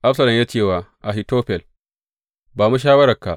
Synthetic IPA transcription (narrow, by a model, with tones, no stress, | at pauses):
ʔa˦fsɐ˨lɐ˨jaː˦t͡ʃeː˦˨waː˨ʔa˨ɦi˨toː˦ɸɛ˨l | baː˨mu˦ʃ̬aː˦wɐ˦ɾɐ˨ka̰˨ʔ